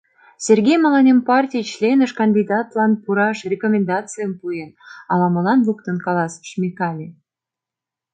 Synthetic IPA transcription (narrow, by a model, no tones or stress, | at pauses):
sʲerɡʲejmɑlɑnempɑrtʲijt͡ɕlʲenəʃkɑnʲd̪ʲid̪ɑt̪lɑnpuɾɑʃrʲekomʲend̪ɑt͡sɨjəmpujenɑlɑməlɑnluk̚t̪ənkɑlɑsə̥ʃmʲixɑlʲi